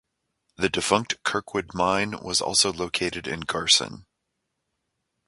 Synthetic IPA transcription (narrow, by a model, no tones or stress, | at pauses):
ðɨdɨfʌ̃ŋk̚tkʰɜ˞kʰwʊd̚mãɪ̃nwʌ̰zɔ̰lˠsoʊloʊkʰeɪɾɨɾɪ̰̃nɡɑɹsɨ̰̃n